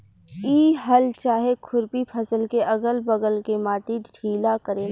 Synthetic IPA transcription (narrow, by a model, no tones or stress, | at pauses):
iːɦəlt͡ʃaːɦekʰʊɾpipʰɐsəlkeʔɐɡəlbəɡəlkemaːt̪iɖʰʱiːlakəɾeːl